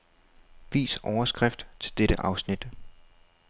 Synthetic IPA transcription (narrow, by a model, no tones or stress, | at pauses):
ʋḭːsʔɒʊɐsɡ̥ʁɛfd̥t͡sʰe̝ld̥eɾ̥əʔɑ̈ʊsnid̥